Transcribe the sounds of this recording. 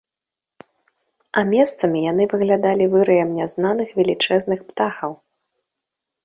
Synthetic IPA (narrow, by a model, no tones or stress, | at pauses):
ɐmʲɛst̪sɐmʲijanɨvɨɣlʲad̪alʲivɨɾɨjɛmnʲɛznanɨxvʲɛlʲit͡ʂɛznɨxpt̪axɐw